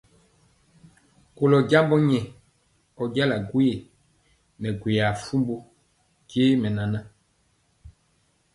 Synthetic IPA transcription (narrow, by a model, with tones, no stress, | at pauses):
ko˨lɔ˨ɟa˦mbɔ˦ɲɛ˨ | ɔ˨ɟa˦la˨ɡwe˨ | nɛ˨ɡwe˨a˨fu˦mbu˦ | ke˦mɛ˨na˨na˦